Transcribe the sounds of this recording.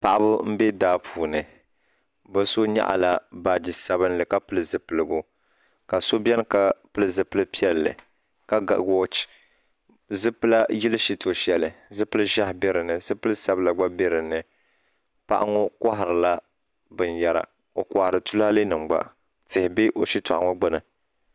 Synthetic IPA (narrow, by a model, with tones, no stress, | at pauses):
pa˨ʔa˦bʊ˦m̩˦be˦daː˦pʰuː˨nɨ˨ | bɨ˦so˦ɲa̰˦ʔa̰˨la˨baː˨d͡ʒi˨sa˨βɨ˦nlɨ˨ka˦pɨ˦lɨ˦zɨ˨pɨ˨lɨ˨ɡʊ˦ | ka˨so˦bjɛ˦n˦ka˨pɨ˦lɨ˦zɨ˨pɨ˦lɨ˦pi˦ɛ˦lːɨ̰˨ | ka˦ɡa˨ɡo˦t͡ʃ | zɨ˦pɨ˦la˦ji˦lɨ˦ʃi˦to˨ʃɛ˦lɨ˨zɨ˦pɨ˦lɨ˦ʒa˦hbɛ˦ɾɨ˨nɨ˨zɨ˦pɨ˦lɨ˦sa˦bɨ˦la˨ɡ͡ba˦bɛ˦ɾɨ˨nɨ˨ | pa̰˦ʔa̰˦ŋo˦ka˦ɦɪ˨ɾɨ˨la˦ | bɨ˨nja˦ɾa̰˨ | o˨ka˨hɾɨ˨tu˦la˦lɨ˦nɨ˨ŋ͡mɡ͡ba̰˦˨ | tɪ˨hɪ˨bi˦ʔo˨ʃi˦tɔ̰˨ʔa˨ŋo˦ɡ͡bɨ˦nɨ˨